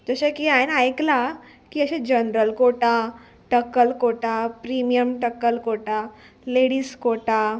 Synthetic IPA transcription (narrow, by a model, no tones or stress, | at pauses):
d͡zəɕakiajnajkla | kiəɕẽd͡ʑənɾəlkoʈa | ʈəkːəlkoʈapɾimijəmʈəkːəlkoʈa | leɽiskoʈa